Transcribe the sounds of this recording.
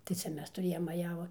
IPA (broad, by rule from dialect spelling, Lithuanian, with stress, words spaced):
tɐɪ ˈt͡sʲɛ ˈmʲɛs tʊˈrʲeːjoːm mɐˈjæːʋʊ